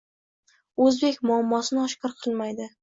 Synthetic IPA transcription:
ɵzbekʲmʊamːɒsɪnɪɒʃqɑɾqʰɨlˠmajd̪ɪ

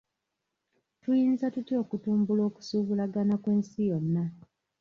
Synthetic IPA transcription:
tujiːnzatutjo̞ːkutuːmbulo̞ːku̥suːβulaɡanakweːnsijo̞nːa

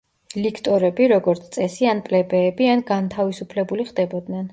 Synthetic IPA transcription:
likʰt̪ʼɔɾɛbiɾɔɡɔɾt̪sʰt̪sʼɛsianpʼlɛbɛːbianɡant̪ʰavisupʰlɛbuliχd̪ɛbɔd̪nɛn

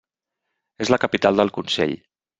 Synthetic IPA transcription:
ezləkəpit̪alˠd̪əlˠkunsḛʎ

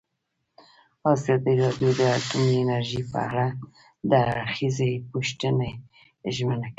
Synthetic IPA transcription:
azɑd̪iɾɑd̪jod̪əat̪umienaɾʒipə̰a̰ɽa | d̪əaxizepoʃʈ̪əne | ʒmənak

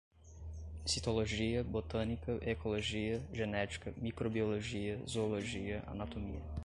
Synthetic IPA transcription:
sit̪oloʒiɐbot̪ɐnikɐʔekoloʒiɐʒɛnɛt͡ʃkɐmikɾobioloʒiɐzoːlˠoʒiɐʔɐ̰nat̪omḭjɐ

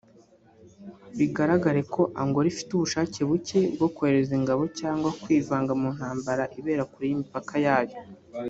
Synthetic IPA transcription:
βiɡaɾaɡaɾe̞kʰo̞ʔaŋɡo̞ɾifi̥tuβuʃaːce̞βuce̞bɡo̞koheɾeziŋɡaβo̞caːŋɡwakwiːvaːŋɡamun̥haːmbaɾaʔiβe̞ːɾakuɾijimipakajaːjo

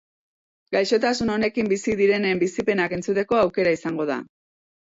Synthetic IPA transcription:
ɡajʃo̞t̪asuno̞ne̞kimbisiðiɾe̞nembisipe̞nake̞nt͡sut̪e̞ko̞awke̞ɾaisaŋɡo̞ð̞a̰

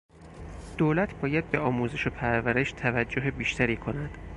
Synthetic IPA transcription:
d̪̥oːlæt̪ʰbɒːjæd̪̚be̞ɒːmuːze̞ʃo̞pʰæɾvæɾe̞ʃt̪ʰævæd͡ʒːoɦebiːʃt̪ʰæɾiːkʰo̞næd̪̥

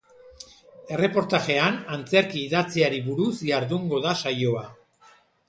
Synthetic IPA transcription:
e̞re̞po̞ɾt̪aʝe̞anant͡se̞ɾkiːðat͡siaɾiβuɾusjaɾðuŋɡo̞ðasajo̞a

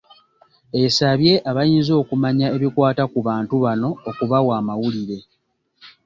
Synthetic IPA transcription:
e̞saβje̞ʔaβajiːnzo̞ːkumaɲae̞βikwaːtakuβaːntuβano̞ːkuβawaːmawuliɾe̞

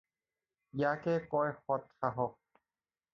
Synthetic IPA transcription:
jakɛkɔjxɔt̪xaɦɔ

